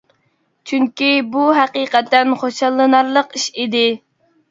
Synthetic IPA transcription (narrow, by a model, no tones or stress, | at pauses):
t͡ʃʰyŋkʲibuɦæqiqɛt̪ːɛnχoʃɑlˠːɨnɑɾlˠəqiʃid̪ɪ